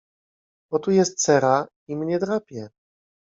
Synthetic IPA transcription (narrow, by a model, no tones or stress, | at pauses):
ɔt̪ujɛst̪sɛɾa | imɲɛd̪ɾapʲjɛ